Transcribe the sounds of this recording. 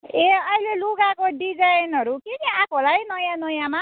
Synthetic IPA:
eʌjleluɡakoɖid͡zajnʌɾukekiakʰolajnʌjãnʌjãma

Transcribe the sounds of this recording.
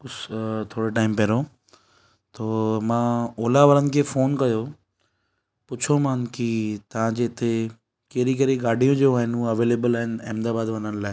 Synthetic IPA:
ʊst̪ʰoːɽoʈaːɪmpɛːɾo | t̪oːmãːoːlaʋəɾənɪ̆kʰeːfoːnkɐjo | pʊt͡ɕʰomãːnkit̪ɐʋ̤ãd͡ʑeːɪt̪ʰe | keːɾik̬ɐɾiɡaːɖʱijõd͡ʑoːaːɦɪnũɐʋeːleːbəlaːɦɪnɪ̆ẽːmd̪aːbaːd̪ʋɐnənɪlaːe

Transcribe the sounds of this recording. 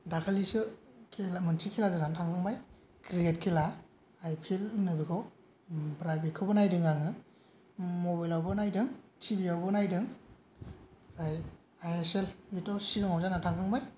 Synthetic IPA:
dakʰalisɯkʰelamɯntʰikʰelazanantʰaŋkʰaŋbaj | kɾiɡet̚kʰelaː | jpʰilnɯbikʰɔw | pɾajbikʰɯbɯnajdɯŋaŋɯ | mobajlawbɯnajdɯŋtʰibiawbɯnajdɯŋ | ɾaj | ajeselbitɔsiɡɯŋawzanatʰaŋkʰaŋbaj

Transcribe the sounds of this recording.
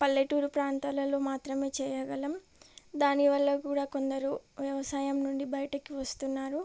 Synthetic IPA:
pɐlːeʈuːɾupɾaːnt̪aːlɐlo̞ːmaːt̪ɾɐme̞ːt͡ʃɛːjɐɡɐlɐm | d̪aːniʋɐlːɐkuːɽaːko̞nd̪ɐɾuʋjɐʋɐsaːjɐmnuɳɖibɐjɐʈɐkiʋɐst̪unːaːɾu

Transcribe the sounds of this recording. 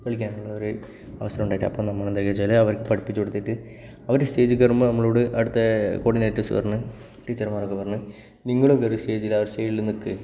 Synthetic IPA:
kɐɭik̬ʲːaːŋːɐɭːɐoɾɨ | ɐ̰ʋɐsɐɾɐmuɳɖaːjʈːɐpːoːɭnɐmːaːɭend̪ekːet͡ɕːaːleɐʋɐrkɨpɐɽipːit͡ɕːoɽut̪ːiːʈːɨ | ɐʋɐɾeste̞ːd͡ʑɨkːɐrumbɨnɐmːɐɭoːɽɨʔɐɽut̪ːɐkoːɽineːʈːisṵpɐrɐnːɨ | ʈiːt͡ɕːɐrmaːrokːepɐrɐnːɨ | niŋːɐɭumkɐɾuste̞ːd͡ʑilːɐʋɐɾsteːilːnikːɨ

